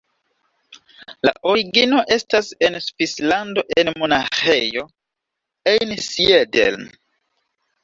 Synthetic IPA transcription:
la̰ʔo̞ɾiɡino̞ʔe̞stase̞nsvislando̞ʔe̞nmo̞naxe̞jo̞ | ejnsiedḛlm

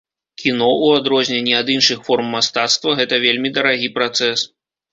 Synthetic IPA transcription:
kʲinɔuad̪ɾɔzʲnʲenʲːiad̪ɨnʂɨxfɔrmːast̪at̪st̪vɐɣɛt̪ɐvʲelʲmʲid̪ɐɾaɣʲipɾat̪sɛs

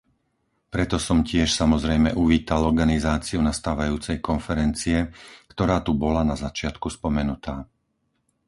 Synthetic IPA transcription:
pɾɛt̪ɔsɔmcɪɛʃsamɔzɾɛjmɛʔuʋiːt̪alɔɾɡanizaːt͡siunast̪aːʋajuːt͡sɛjkɔnfɛɾɛnt͡siɛkt̪ɔɾaːt̪ubɔlanazat͡ʃɪat̪kuspɔmɛnut̪aː

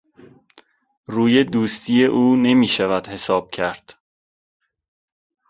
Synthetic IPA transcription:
ruːje̞d̪uːst̪ʰiːje̞ʔuːne̞miːʃævæd̪̥he̞sɒːb̥̚cʰæɾd̪̥

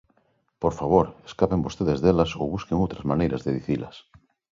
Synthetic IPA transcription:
poɾfaβ̞oɾeskapembost̪eðezðelɐso̰wβuskeŋowt̪ɾɐzmanejɾɐzðeðiθilɐ̰s

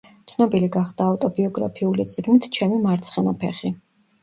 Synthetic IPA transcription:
t̪sʰnɔbiliɡaχd̪̥aːt̪ʼɔbiɔɡɾa̰pʰiulit̪sʼiɡnit̪ʰt͡ʃʰɛmimaɾt̪sʰχɛnapʰɛ̰χi

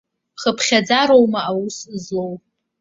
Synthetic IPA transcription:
χəpʰχʲad͡zaɾowmaawusɨzlow

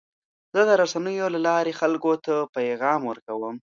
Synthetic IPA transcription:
z̥əd̪əɾasanəjolalɑɾexalkot̪apajɣɑmwəɾkawəm

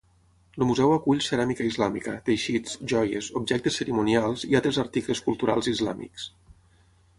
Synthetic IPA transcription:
ləmuzɛwakuʎseɾamikəizlamḭkət̪ejʃit͡sʒɔjḛzubʒɛk̚t̪esːeɾimunialˠzialˠt̪ɾezaɾt̪ikləskulˠt̪uɾa̰lˠzizla̰mḭks

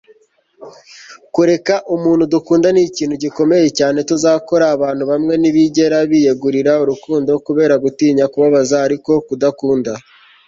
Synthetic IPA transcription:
kuɾe̞kaʔumuːn̥hudukuːndaniciːnhuɟiko̞me̞je̞caːne̞tuzaːko̞ɾaːβaːnhuβamŋe̞niβiɟe̞ɾaβiːjeɡuɾiɾauɾukuːndo̞kuβe̞ːɾaɡutiːɲakuβaβazaːɾiko̞kudakuːnda

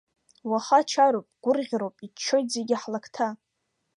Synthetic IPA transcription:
waχat͡ʃʰaɾowpʼɡ̥ʷʊrʁʲɾowpʼit͡ʃʰːojtʼzeɡʲɪħlakʰtʰa

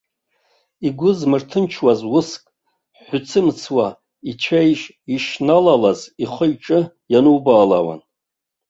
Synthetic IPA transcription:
iɡʷʊzmɨrtʰɨnt͡ʃʰwazwʊskʼ | ħʷʊt͡sʰɨmt͡sʰwa | it͡ʃʷʰejʒʼ | iʂnalalaziχʷəjʈ͡ʂʼɨ | janɨwbaːla̰wa̰n

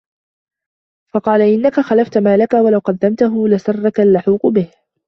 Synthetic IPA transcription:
fɑqɑːlaʔɪnːakaxalaft̪maːlakawalawqɑd̪ːamt̪aɦʊlasɑrˤːɑkalːʊħuːqʊbɪh

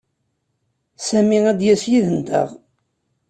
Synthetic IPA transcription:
sæmiæd̪jæsjiðənt̪ə̰ʁ

